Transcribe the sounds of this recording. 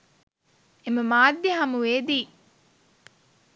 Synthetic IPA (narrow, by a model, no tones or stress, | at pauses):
eməmaːd̪jeɦɐmuʋeːd̪iː